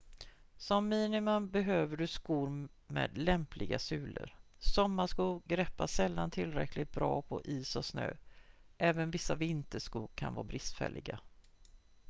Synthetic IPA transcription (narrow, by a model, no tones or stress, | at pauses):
sɔmːiːnɪmʊmbɛɦøːvəɖɵskuːɾ | mḛːd̪lɛmplɪɡasʉ̟ːlə̰ɾsɔmːaʂkuːɡɡɾɛpːasɛlːant̪ʰɪlɾɛklɪt̪̚bɾɑːpʰɔʔiːsɔsnø̰ːʔɛːvənvɪsːavɪɪnt̪əʂkuːɡkʰanvɑːbɾɪst̪fɛ̰lːɪɡa